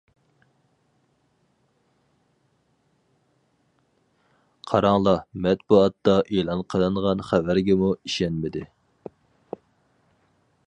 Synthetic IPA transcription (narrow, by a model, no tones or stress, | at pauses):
qʰɑɾɑŋlˠɑmɛt̪buɑt̪ːɑʔelˠɑnqʰəlˠɨɴʁɑnχævæɾɡʲɛmuiʃɛnmɪd̪ɪ